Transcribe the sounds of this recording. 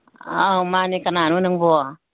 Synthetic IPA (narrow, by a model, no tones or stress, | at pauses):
amanikananunaŋboa